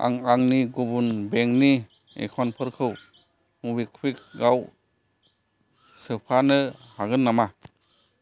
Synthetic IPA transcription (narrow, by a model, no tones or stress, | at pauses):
a̰ŋaŋniɡubunbeŋni | ḛkʰɔnpʰɯɾkʰɯw | mubikʰwik̚ɡaw | sɯpʰanɯhaɡɯnːama